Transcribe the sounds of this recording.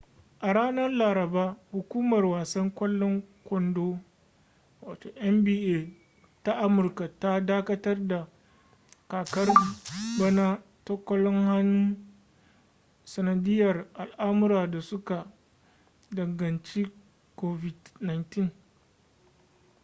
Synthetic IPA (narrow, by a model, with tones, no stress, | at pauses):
ʔa˨ɽaː˦nɐ˦rlaː˨ɾɐ˨baː˦hʊ˨kʷuː˦mɐ˨rwaː˨sɐ˦ŋkʷɔ˦lːɔ˦ŋkʷɔ˦ndoː˦ | waː˨toː˨ʔɛ˦mbiː˦ʔeː˦˨ | ta˦ʔa˦mʊ˨rka˨ta˦daː˦kɐ˦tɐ˦rda˨ | kaː˨kɐ˦rbɐ˦naː˦ | tɔ˦kʷɔ˦lɔ˦ŋha˦nu˦ | sɐ˨nɐ˨dɪ˦jɐ˨rʔa˨lʔaː˦mʊ˦ɾaː˨da˨sʊ˦ka˨ | dɐ˨ŋɡɐ˨nt͡ʃi˦ | koː˦vɪ˨dna˨jntɪ˦ŋ